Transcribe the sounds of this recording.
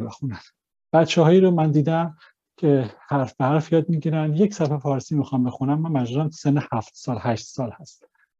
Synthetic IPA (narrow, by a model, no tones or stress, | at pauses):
bexunæn | b̥æt̪t͡ʃʰɛɦɒːjiːɾomænd̪iːd̪æm | cʰehæɾfbehæɾfjɒːd̪̚miɟiɾænjecʰsæphefɒːɾsiːmixɒmbexunæmːæmːæd͡ʒuzæmt̪ʰsenːehæft̪sɒːlhæʃt̪sɒːlhæst̪